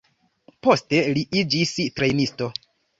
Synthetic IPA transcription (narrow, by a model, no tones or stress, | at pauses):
po̞ste̞liʔid͡ʒistɾe̞jnisto̞